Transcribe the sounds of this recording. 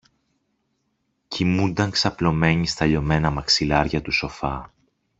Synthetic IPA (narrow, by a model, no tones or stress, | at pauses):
cimund̪ɐŋksɐplo̞me̞ɲist̪ɐʎo̞me̞nɐmɐksilɐɾʝɐt̪uso̞fɐ